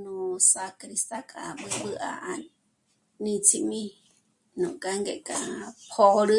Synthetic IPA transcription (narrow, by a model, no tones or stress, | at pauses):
nũsakɾist̪akʼa̰ɓɨɓɨʔa̰ʔani | nĩt͡sʰimĩ | nũkʼaŋɡeʔkʼapʰoɾɨ